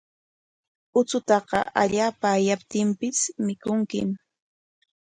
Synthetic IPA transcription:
ʊt͡sʊt̪ɑqɑ̰ʔaʎaːpaːjap̚t̪ɪmpɪsmɪkʊŋkɪ̰m

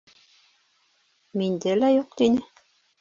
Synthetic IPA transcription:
mind̪ælæjuq̚t̪inɘ

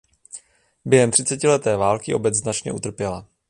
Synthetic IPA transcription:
bjɛɦɛmt̪r̝̥ɪt͡sɛcɪlɛt̪ɛːvaːlkɪʔo̞bɛznat͡ʃɲɛ̰ʔut̪r̩pjɛla

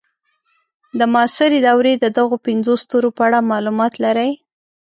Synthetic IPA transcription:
d̪əmɑsɪɾed̪awɾed̪əd̪aɣopɪnzost̪oɾopəaɽamɑlumɑt̪laɾəj

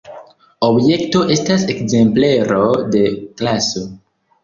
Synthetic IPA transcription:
obje̞kto̞ʔe̞stasekze̞mple̞ɾo̞de̞klaso̞

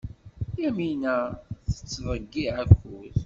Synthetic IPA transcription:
jæminæθə̥t͡sːvəɡːiʕækːʊð

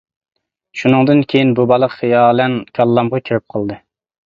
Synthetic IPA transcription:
ʃunɨŋd̪ɨnkʲʰejinbubɑlˠəqjɑːlˠɛnkʲʰɑlˠːɑmʁɑkʲʰøɾɪp̚qʰəlˠd̪ɨ

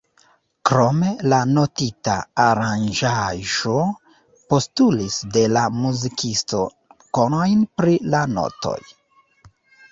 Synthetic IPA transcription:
kɾo̞me̞lano̞tita̰ːɾand͡ʒaʒo̞ | po̞stulisde̞lamuzikʰisto̞ | ko̞no̞jnpɾilano̞̰to̞̰j

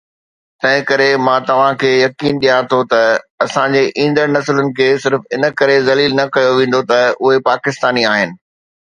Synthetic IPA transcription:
t̪ɐ̃ɦɪ̃kɐɾemãːt̪ɐʋ̤ãkʰeːjɐkiːnɗijãt̪ʰot̪ɐɐsãɲd͡ʑeːʔĩːn̆d̪əɾnɐslənɪ̆kʰeːsɪɾfɪnə̆kɐɾezɐliːlnɐkɐjoʋẽːn̆d̪ot̪ɐʊɦepaːkɪst̪aːniaːɦɪnɪ̆

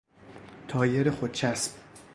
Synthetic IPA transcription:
t̪ʰɒːjeɾexot̪̚t͡ʃʰæsb̥̚

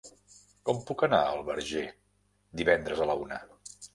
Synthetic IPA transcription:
kɔmpukəna̰əlˠβəɾʒe | d̪iβɛnd̪ɾəzələunə

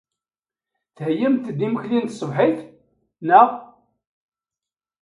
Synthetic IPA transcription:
θhəjəmt̪d̪iməçlint̪sˤəvħiθ | nəʁ

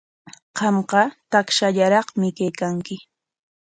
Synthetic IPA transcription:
qɑmqɑt̪akʃaʎaɾɑχmɪkajkaŋkɪ

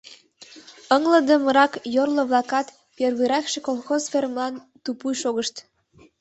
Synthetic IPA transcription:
ɤŋlə̆d̪ə̆mə̆ɾɑkjorlŏβlˠɑkɑt̪ | perβiɾæxʃĕkolˠxozfʲermlɑn | t̪upujʃoɣəʃt̪

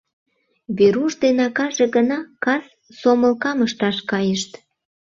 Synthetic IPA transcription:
βeɾuʃd̪enɑkɑʒeɣənɑkɑs | soməlkɑməʃt̪ɑʃkɑjəʃt̪

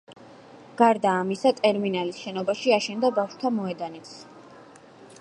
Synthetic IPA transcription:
ɡ̥aɾd̪aːmisat̪ʼɛɾminalisʃɛnɔbaʃiaʃɛnd̪abafʃt̪ʰamɔɛd̪anit̪s

